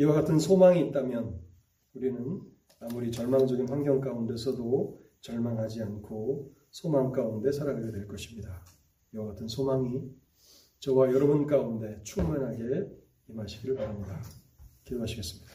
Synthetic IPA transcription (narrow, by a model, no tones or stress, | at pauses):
iwaɡatʰɯnsʰomaŋiːt͈̚amjʌn | uɾinɯn | amuɾit͡ɕʌɭmaŋd͡ʑʌɡinɸwaŋɡjʌŋk͈aunde̞sʰʌdo | t͡ɕʌɭmanɦad͡ʑiankʰo | sʰomaŋk͈aunde̞sʰaɾaŋɡaɡʌdwe̞ɭk͈ʌɕʰimɲida | iwaɡatʰɯnsʰomaŋi | t͡ɕʌwajʌɾʌbunk͈aunde̞t͡ɕʰumanɦaɡe̞ | imaɕʰiɡiɯɭpaɾamɲida | kidoɦaɕʰiɡe̞s͈ɯmɲid̥ḁ